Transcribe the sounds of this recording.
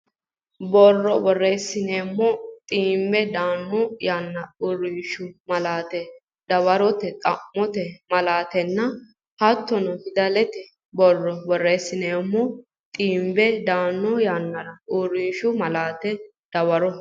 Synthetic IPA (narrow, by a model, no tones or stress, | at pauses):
bɔrːɔbɔrːeːsːɪneːmːɔt̪ʼiːmbɛd̪aːnːɔjaːnːɐʊrːiːʃʊmɐlaːt̪ɛ | d̪ɐwɐɾɔt̪ɛt̪ʼɐmːɔt̪ɛmɐlaːt̪ɛnːɐ | hɐt̪ːɔnɔhɪd̪ɐlɛt̪ɛ | bɔrːɔbɔrːeːsːɪneːmːɔ | t̪ʼiːmbɛd̪aːnːɔjanːɐɾɐʊrːiːʃʊmɐlaːt̪ɛ | d̪̥ɐwɐɾɔ